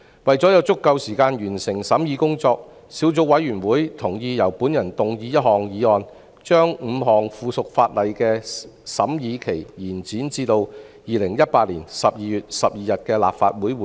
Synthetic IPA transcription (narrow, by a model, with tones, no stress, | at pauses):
wɐ˨jt͡sɔː˨˥jɐ˨˧wt͡sʊ˥kːɐ˧wsiː˨˩kaː˧njyː˨˩nsɪ˨˩ŋsɐ˨˥mjiː˨˧kʊ˥ŋt͡sɔː˧k̚ | siː˨˥wt͡so˧w̚wɐ˨˥jɥyː˨˩nwuː˨˥jt̪ʰʊ˨˩ŋjiː˧jɐ˨˩wpuː˨˥njɐ˨˩nt̪ʊ˨ŋjiː˧jɐ˥t̚hɔː˨ŋjiː˨˧ɔː˧n | t͡ʃœː˥ŋm̩ː˨˧ɦɔː˨ŋfuː˨˧sʊ˨k̚faː˧t̚lɐ˨jkɛː˧sɐ˨˥mjiː˨˧kʰe˨˩jjiː˨˩nt͡siː˨˥nt͡siː˧t̪o˧wjiː˨˧lɪ˨˩ŋjɐ˥t̚paː˧t̚liː˨˩nsɐ˨p̚jiː˨˧jyː˨t̚sɐ˨p̚jiː˨jɐ˨t̚kɛː˧la̰ː˨p̚fa̰ː˧t̚wuː˨˥j